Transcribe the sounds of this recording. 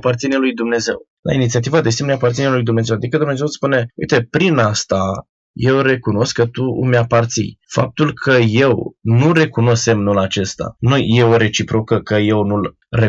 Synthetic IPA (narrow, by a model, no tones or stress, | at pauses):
part̪sinelujd̪umne̞ze̞̰w | la̰init̪siat̪ivad̪e̞simneapart̪sinelujd̪umne̞ze̞wad̪ikəd̪umne̞zew̪spune̞ujt̪e̞pɾinast̪a | je̞wɾe̞kuno̞skːət̪ṵmeapart̪sḭjfa̰p̚t̪ulkʰəje̞wnure̞kuno̞semnulat͡ʃe̞st̪a̰nujje̞o̞ɾe̞t͡ʃipɾo̞kəkəje̞wnul | re